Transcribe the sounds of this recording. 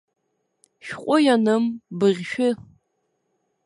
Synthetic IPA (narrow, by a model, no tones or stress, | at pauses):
ʃqʷʼʊjanɨmbɨʁʲʃᶣʊ